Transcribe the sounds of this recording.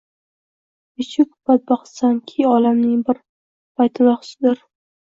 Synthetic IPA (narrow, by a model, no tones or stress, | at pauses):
ɪt͡ʃʰɪkʊb̥at̪̚baχsankʲʰɪɒlamnɪŋbɪɾ | pʰajt̪ʰɪnɒχsɪd̪ɪɾ